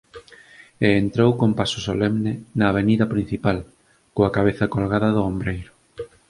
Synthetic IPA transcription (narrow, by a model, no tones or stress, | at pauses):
eːnt̪ɾowkompasʊ̥solɛmnɪnaːβ̞eniðɐpɾĩn̟θipal | koakaβ̞eθakolɣaðɐðʊombɾejɾʊ